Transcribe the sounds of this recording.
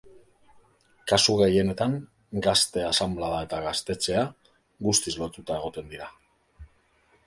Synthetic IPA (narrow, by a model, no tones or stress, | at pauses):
kasuɣe̞je̞ne̞t̪aŋ | ɡast̪e̞asamblaðae̞t̪aɣast̪e̞t͡se̞a | ɣust̪izlo̞t̪ut̪ae̞ɣ̞o̞t̪e̞nd̪iɾa